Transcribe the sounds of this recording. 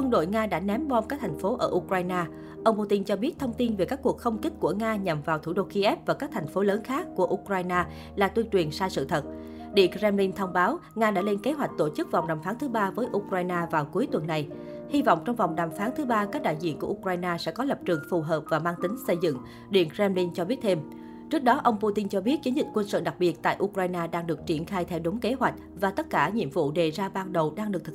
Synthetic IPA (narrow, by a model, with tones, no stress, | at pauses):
kwə˧nɗo̰˧˨jŋaː˧ɗa̰ː˧˥nɛ˨˦mɓɔ˧mkaː˦˥k̚t̪ʰa˨˩ŋ̟fo˨˦ʔə̰ː˧˩ʔu˧kɾaː˧jnaː˧ | ʔə˧wŋ͡mpu˧t̪i˧nt͡ɕɔ˧ɓi˦˥ət̚t̪ʰə˧wŋ͡mt̪i˧nve˨˩kaː˦˥kːu˨˩ək̚xə˧wŋ͡mki˦˥k̟̚ku˧˩əŋaː˧ɲa˨˩mvaː˨˩wt̪ʰṵ˧˩ɗo̰˧˨ki˧ʔɛ˦˥p̚vaː˨˩kaː˦˥k̚t̪ʰa˨˩jŋ̟fo˨˦ləː˨˦nxaː˦˥kːu˧˩əʔu˧kɾwaː˧jnaː˧ | laː˨˩t̪wi˧nt͡ɕwi˨˩ənsaː˧sɨ̰˧˨t̪ʰə˨˩t̚ | ɗḭ˧˨əŋkzɛ˧mli˧nt̪ʰə˧wŋ͡mɓaː˨˦wŋaː˧ɗa̰ː˧˥le˧nke˨˦ɦwa˨˩jk̟̚t̪o˧˩t͡ɕɨ˦˥k̚va˨˩wŋ͡mɗaː˨˩mfaː˨˦nt̪ʰɨ˨˦ɓaː˧vəː˨˦jʔu˧kwaː˧jnaː˧vaː˨˩wku˨˦jt̪wə˨˩nːa˨˩j | hi˧vɔ̰˧˨wŋ͡mt͡ɕɔ˧wŋ͡mva˨˩wŋ͡mɗaː˨˩mfaː˨˦nt̪ʰɨ˨˦ɓaː˧kaː˦˥k̚ɗa̰ː˧˨jzḭ˧˨nku˧˩əʔu˧kwaː˧jnaː˧sɛ̰˧˥kɔ˨˦lə˨˩p̚t͡ɕɨ˨˩əŋfu˨˩ɦəː˨˩p̚vaː˨˩maː˧ŋt̪ï˨˦ŋ̟sə˧jzɨ̰˧˨ŋ | ɗḭ˧˨ənkzɛ˧mli˧nt͡ɕɔ˧ɓi˦˥ət̚t̪ʰe˧m | t͡ɕɨ˦˥ək̚ɗɔ˨˦ʔə˧wŋ͡mpu˧t̪i˧nt͡ɕɔ˧ɓi˦˥ət̚t͡ɕə˨˦nzï˨˩k̟̚kwə˧nsɨ̰˧˨ɗa˨˩k̚ɓi˨˩ət̚t̪a̰ː˧˨jʔu˧kɾaː˧jnaː˧ɗaː˧ŋɗɨ˨˩ək̚t͡ɕi˧˩ənxaː˧jt̪ʰɛ˧wɗo˨˦ŋ͡mke˨˦ɦwa˨˩jk̟̚vaː˨˩t̪ə˦˥t̚kaː˧˩ɲḭ˧˨əmvṵ˧˨ɗe˨˩zaː˧ɓaː˧nɗə˨˩wɗaː˧ŋɗɨ˨˩ək̚t̪ʰ